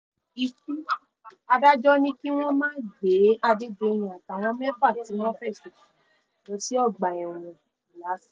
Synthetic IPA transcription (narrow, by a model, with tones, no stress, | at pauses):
i˧tu˦ | a˧da˦d͡ʒɔ˦nĩ˦ki˦w̃ɔ̃˦mãː˦d͡ʒe˨˦a˧de˦de˧˨j̃ĩ˨a˨ta˨w̃ɔ̃˧˦mɛ̃˦fa˦˨ti˨˦nɔ̃˦fɛ˦˨ʃe˨ki˨ | o˨˦si˦ɔ˦˨ɡ͡ba˨ɛ˨w̃ũ˨ | i˨la˨˦s